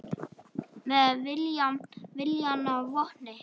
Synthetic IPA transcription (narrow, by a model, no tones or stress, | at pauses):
mɛðvɪljamvɪljanavɔhnɪ